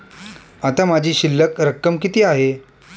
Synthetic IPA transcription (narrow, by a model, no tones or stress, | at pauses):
at̪amad͡ʑʱiːɕilːəkɾəkːəmkit̪iːaɦe